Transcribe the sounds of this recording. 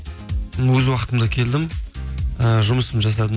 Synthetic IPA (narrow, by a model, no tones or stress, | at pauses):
wɵzwɑqət̪əmd̪ɑkʲʰe̞ld̪ɪm | əʒʊməsəmʒɑs̬ɑd̪ə